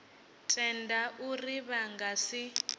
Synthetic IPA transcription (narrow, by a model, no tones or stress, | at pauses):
tʼɛndaʔuriβaŋɡasi